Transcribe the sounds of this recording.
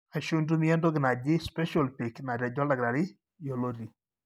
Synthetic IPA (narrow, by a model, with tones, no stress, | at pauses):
a˨ʃu˦ndu˦mi˦ɛ˦ndo˦ɡɪ˨na˨d͡ʒɪ˦spɛ˦ʃɔ˨lpɪ˨kna˨ɾa˨d͡ʒɔ˦la˨ɡɾa˨ɾɪ˦ | jo˨lo˦ɾi˨